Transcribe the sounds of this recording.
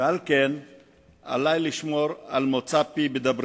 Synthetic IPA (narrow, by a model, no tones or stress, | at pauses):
ealken | a̰lajliʃmo̞ʁalmot͡sapibed̪abʁ